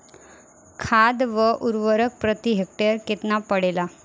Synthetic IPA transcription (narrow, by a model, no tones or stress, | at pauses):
kʰad̪ʋəʔuɾʋəɾək̚pɾət̪iɦek̚ʈeɾket̪napəɽela